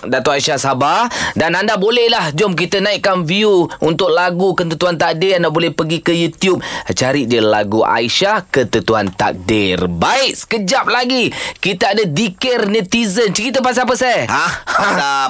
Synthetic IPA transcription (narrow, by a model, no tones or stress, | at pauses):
dat̪oʔaiʃasabadanandabolɛhlahd͡ʒɔmk̬it̪ənaiʔkːanviuunt̪ʊk̚laɡukət̪ət̪uant̪ak̚dɪrandabolɛhpəɡikəjut̪jup̚t͡ʃaɾɪʔ̪̚dəla̰ɡuʔa̰iʃakət̪ət̪uant̪a̰k̚dɪrbaɪʔsə̥kəd͡ʒap̚laɡikit̪əadadikərnət̪izənt͡ʃəɾit̪̬əpas̬ap̬əsaja